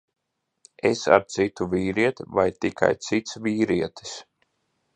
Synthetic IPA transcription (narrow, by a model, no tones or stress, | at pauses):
esa̰ɾt̪sit̪uviːɾiɛt̪ivajt̪ikʰa̰jt̪sit̪sviːɾiɛt̪ʰi̥s